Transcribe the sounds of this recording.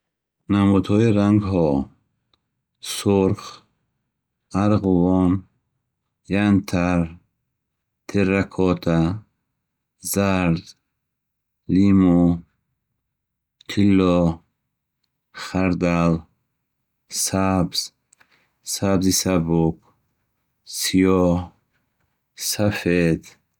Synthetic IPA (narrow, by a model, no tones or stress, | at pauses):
namud̪hɔiɾaŋɡɦɔ | suɾχ | aɾʁuvɔn | jant̪ʰaɾ | t̪ʰeɾakʰɔt̪ʰa | zaɾd̪ | limu | tʰilːɔ | χaɾd̪al | sabz̥ | sabzisabuk | sijɔ | safed̪